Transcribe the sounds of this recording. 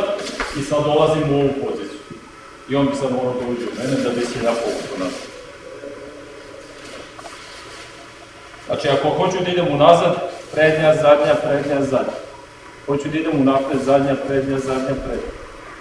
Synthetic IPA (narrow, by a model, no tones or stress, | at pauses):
isad̪olˠazimuo̞ʋupo̞zit̪sjuu | io̞nbisad̪mo̞ɡaod̪auːd͡ʑiumened̪abisejaːpoɡukonas | znʔa̰t͡ʃiakoxo̞t͡ɕud̪aid̪emunazad̪pɾed̪ɲazad̪ɲapɾed̪ɲazad̪ɲa | xo̞t͡ɕud̪aid̪e̞munaft̪ezad̪ɲapɾed̪ɲazad̪ɲapɾed̪ɲa